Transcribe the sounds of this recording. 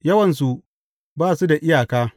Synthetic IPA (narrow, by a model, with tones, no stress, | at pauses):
jɐ˦wɐ˨ns̬u˨ | baː˦˨su˦da˨ʔɪ˦jaː˨kaː˦